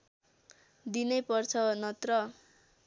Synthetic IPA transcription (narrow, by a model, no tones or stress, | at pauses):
d̪inʌjpʌrt͡sʰʌnʌt̪rʌ